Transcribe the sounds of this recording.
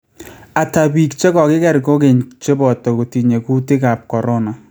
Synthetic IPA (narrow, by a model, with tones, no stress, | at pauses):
a˨ta˨bi˨kt͡ʃe˦kɔ˨kɪ˦kɛ˦ɾko˦ke˨ɲt͡ʃe˦bɔ˨tɔ˨ko˨ti˨ɲe˨ku˦ti˦ka˨p̚kɔ˨ɾo˦na˨